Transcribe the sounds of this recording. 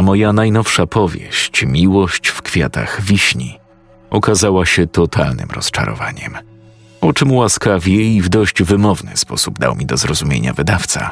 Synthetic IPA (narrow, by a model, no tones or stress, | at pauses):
mɔjanajnɔfʂapɔvʲjḛɕt͡ɕmʲiwɔɕt͡ɕfkfʲjat̪a̰ɣvʲiɕɲi | ɔkazawaɕɛt̪ɔt̪ʰalnɘ̰mɾɔst͡ʂa̰ɾɔ̰va̰ɲɛ̰m | ɔt͡ʂɘmwaskavʲjɛivd̪ɔɕd͡ʑvɘmɔvnɘ̰spɔsubd̪a̰wmʲid̪ɔzɾɔzumʲjeɲa̰vɘd̪aft̪sa̰